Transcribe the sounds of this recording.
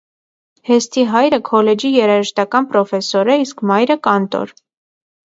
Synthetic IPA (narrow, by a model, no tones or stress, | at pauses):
hɛst̪iɦɑjɾəkʰɔlɛd͡ʒijɛɾɑʒəʃt̪ɑkɑnpɾɔfɛsɔɾɛiskmɑjɾəkɑnt̪ɔ̰ɾ